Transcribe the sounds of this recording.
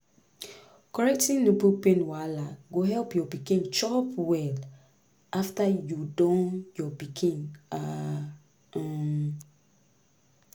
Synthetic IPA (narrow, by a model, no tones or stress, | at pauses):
kɔɹɛk̚tĩŋnopupẽnwalaɡoɦɛlpjɔbikĩŋt͡ʃɔpwɛl | aftajudɔ̃njɔbikʰĩŋa